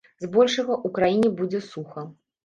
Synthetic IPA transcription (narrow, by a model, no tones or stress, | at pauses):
zbɔlʲʂɐɣɐʔukɾajinʲɛbud͡zʲɛsuxɐ